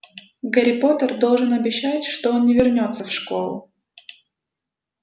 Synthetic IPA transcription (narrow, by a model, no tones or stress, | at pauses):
ɡəɾʲɪpo̞t̪ərd̪o̞lˠʐɨnɐbʲɪɕːætʲʂt̪oonnʲɪvʲɪrnʲo̞t̪səfʂko̞̰lˠʊ̰